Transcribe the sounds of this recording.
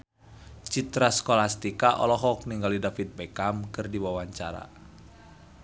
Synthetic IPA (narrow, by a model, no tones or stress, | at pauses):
t͡ʃit̪ɾaskolast̪ikaʔɔ̰lɔɦɔk̚niŋɡalidafit̪̚bɛkamkɨrdiwawaɲt͡ʃa̰ɾa̰